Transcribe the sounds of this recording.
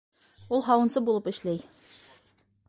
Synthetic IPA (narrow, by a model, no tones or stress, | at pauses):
ulˠɦɑwɤ̆nsɤbulˠɤpɘ̆ʃlæj